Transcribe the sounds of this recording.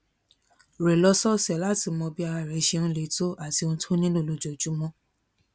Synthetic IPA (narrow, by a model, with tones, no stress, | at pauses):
ɾɛ˨lɔ˧˦sɔ˦sɛ˨la˨˦ti˨˧˨mɔ̃˧bi˦a˧ɾa˧˨ɾɛ˨˦ʃe˧ñ̩˦le˨˦to˦ʔa˦˨ti˧õ˧˦tʰo˦nĩ˦lũ˦˨lo˧˨d͡ʒɔ˨d͡ʒu˨˦mɔ̃˦